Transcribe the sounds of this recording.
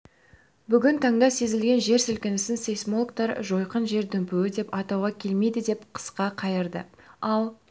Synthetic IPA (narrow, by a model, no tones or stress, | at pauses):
bʏɡʲɪnt̪ʰɑɴd̪ɑse̞zɪlɡʲe̞nʒe̞ɾsʏlkʲɪnɪsɪnsejsmolˠkt̪ɑɾʒo̞jqənʒe̞ɾd̪ɵmpɪwɪd̪e̞pɑt̪ɑwʁɑkʲʰe̞lme̞jd̪ɪd̪e̞pqʰə̥sqɑqʰɑjəɾd̪ə̰ɑlˠ